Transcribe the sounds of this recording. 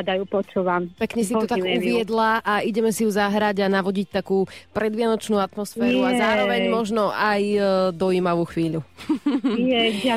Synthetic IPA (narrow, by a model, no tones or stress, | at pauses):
d̪ajupɔt͡ʃuːʋampɛkɲɛsit̪ut̪akuʋɪɛd̪laʔaʔiɟɛmɛsijuzaɦɾaɟanaʋɔɟict̪akuːpɾɛd̪ʋɪanɔt͡ʃnuːat̪mɔsfɛːɾuazaːɾɔʋɛɲmɔʒnɔʔajd̪ɔiːmaʋuːxʋiːʎu | jɛ